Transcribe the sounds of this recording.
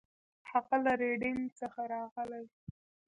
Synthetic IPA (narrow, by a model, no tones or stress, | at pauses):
haɣalaɾeɖɪŋɡt͡səxaɾɑɣəlaj